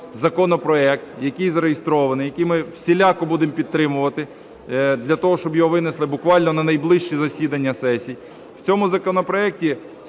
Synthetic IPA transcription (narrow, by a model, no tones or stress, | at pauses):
zɐkɔnɔpɾɔɛk̚t̪jɐkɪjzɐɾejɪst̪ɾɔʋɐnɪjɐkijmɪwsʲilʲakɔbud̪ɪmpʲid̪t̪̚t̪ɾɪmʊʋɐt̪ɪ | d̪lʲɐt̪ɔɦɔʃt͡ʃɔbjɔɦɔʋɪneslˠɪbʊkʋɑlʲnɔnɐnɐjblˠɪʃt͡ʃizɐsʲid̪ɐnʲːɐsɛsʲij | w̥t͡sʲɔmʊzɐkɔnɔpɾɔɛk̚tʲi